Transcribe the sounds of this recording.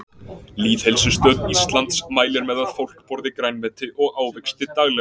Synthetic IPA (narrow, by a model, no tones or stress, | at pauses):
liːð̥hejlsʏst̪œːt̪nist̪lant̪smaːjlɪɾmɛðaðfowl̥kpɔɾðɪkɾajnvɛt̪ɪʔɔɣaːwvɛjkst̪ɪt̪aɣlɛ